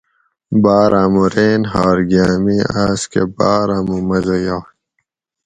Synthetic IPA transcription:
baːɾʔaːmuɾeːnɦaːɾɡaːmiaːskḛbaːɾamumɐzojaː

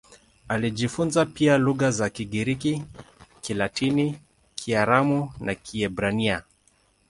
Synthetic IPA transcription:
aliʄifunzapialuɣazakiɠiɾikikilatini | kʰiaɾamunakʰiɛbɾania

